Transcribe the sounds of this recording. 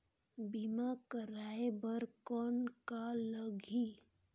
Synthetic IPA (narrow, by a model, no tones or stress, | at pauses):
bimakəɾaebəɾkɔːnkaləɡʱi